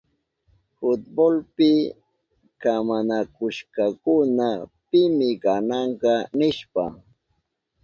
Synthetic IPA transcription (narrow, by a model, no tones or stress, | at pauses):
hʊt̪̚bolpɪ | kamanakʊʃkakʊnapɪmɪkanɑɴɢɑnɪʃpa̰